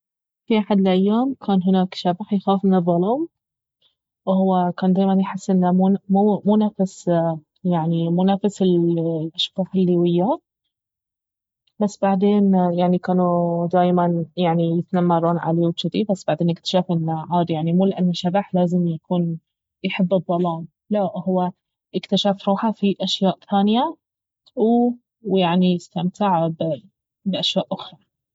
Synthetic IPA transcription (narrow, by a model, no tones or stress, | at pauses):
fiʔaħad̪ɪlʔajːaːmkʰaːnɦɪnaːkʃabaħjxaːfmɪnɨðˤːɑlɑːm | whʊwːakaːnd̪aːjmanjħɪsːʔɪnːamumuːmunafɪs | jaʕnimunafasɪllʔaʃɡɑːħɪlːiwɪjːa | basːbaʕd̪eːnjaʕnikaːnud̪aːjmanjaʕnijɪt̪namːɑrˤɑːnʕa̰liwt͡ʃɪd̪ibasːb̥aʕd̪eːnʔɪk̚t̪ḁʃaːfɪnːaʕaːd̪jaʕnimuːlɪʔanːaʃabaħlaːzɪmjakuːn | jħɪbːɨd̪ˤːɑlɑːm | laʔhʊwːa | ʔɪkt̪aʃaːfɾˤuːħafiʔaʃjaːʔθaːnɪja | w | jaʕnijɪst̪amt̪ɪʕbɪ | bʔaʃjaːʔʔʊxɾˤɑ